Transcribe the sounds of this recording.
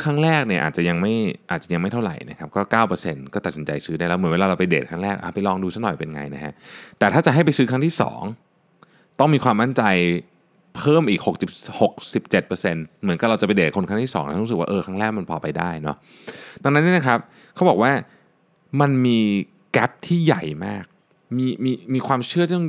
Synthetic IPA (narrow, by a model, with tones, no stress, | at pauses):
kʰaː˦˥˩ŋɾɛː˥˩k̚ni˥˩ɐʔa̰ː˨˩t̪̚t͡ɕa˨˩ja˧ŋma˥˩jʔaː˨˩t̪̚a˨˩ja˧ŋma˥˩jt̪ʰa˥˩wɾa̰˨˩jna̰˦˥kʰa˦˥p̚kɔː˥˩kaː˥˩wpɤː˧se˧nkɔː˥˩a˨˩si˩˦nt͡ɕa̰˧jsɯː˦daː˥˩jlɛ˦˥wm˨˩˦nwe˧aː˧ɾa˧wpa˧jdeː˨˩t̪̚kʰaː˦˥ŋɾɛː˥˩k̚ʔa˧˩pa˧jlɔː˧ŋduː˧sa˦˥nɔ˨˩jpe˧nŋa̰˧jna˦˥kʰa̰˦˥ʔt̪ɛː˨˩t̪ʰaː˥˩t͡ɕa˨˩ɦa˥˩jpa˧jsɯː˦˥kʰa˦˥ŋt̪ʰiː˥˩sɔ̰ː˩˦ŋ | t̪ɔ˥˩ŋmiː˧kʰwaː˧mːa˥˩nt͡ɕa˧j | pʰɤː˥˩mʔiː˨˩k̚ho˨˩k̚si˨˩p̚ho˨˩k̚si˨˩p̚t͡ɕe˨˩t̪̚pɤː˧se˧nmɯ˩˦nka˧˩ɾa˧wt͡ɕa˨˩pa˧jdeː˨˩t̪̚kʰo˧nkʰa˥˩t̪ʰi˥˩ɔ̰ː˩˦ŋ˧˦˥ɾu˧˦˥s̚waː˥ʔɤː˧kʰaː˦˥ŋɾɛː˥˩k̚ma˧npʰɔː˧pa˧jdaː˥˩jnɔ˦˥ | d̪a˧ŋna˦˥nːi˥˩na˦kʰa˦˥p̚ | kʰa˦˥wbɔː˨˩k̚waː˥˩ | ma˧nmiː˧ | kɛ˦˥p̚t̪ʰiː˥˩ja̰˨˩jmaː˥˩k̚ | miː˧miː˧miː˧kʰwaː˧mt͡ɕʰɯ˥˩t̪iː˥˩ɔ˥˩